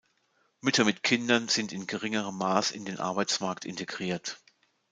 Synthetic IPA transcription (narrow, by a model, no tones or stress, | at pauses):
mʏtɐmɪtkʰɪndɐnz̥ɪntɪnɡəʁɪŋəʁ̞əmːaːsɪ̰ndeːnʔa̰ɐbaɪt͡smaɐktɪ̰nteɡʁiːɐt